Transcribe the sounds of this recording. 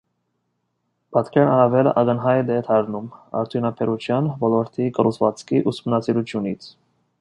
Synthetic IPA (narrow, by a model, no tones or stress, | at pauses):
bɑt̪kʰɛɾnɑɾɑvɛlə̰ʔɑɡənɦɑjd̪ɛt̪ʰɑɾnumɑ̰ɾt̪ʰjunɑpʰɛɾut͡ʃʰjɑnvɔlɔɾt̪ʰikəɾut͡sʰvɑt͡skʰiʔusumnɑsiɾut̪ʰjunit͡sʰ